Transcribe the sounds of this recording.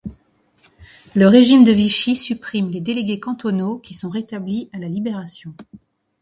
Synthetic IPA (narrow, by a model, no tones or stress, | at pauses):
ləʁeʒimd̪əviʃisypχimled̪eleɡʲekɑ̃t̪ɔnokʲisɔ̃ʁet̪ablialalibeʁasjɔ̃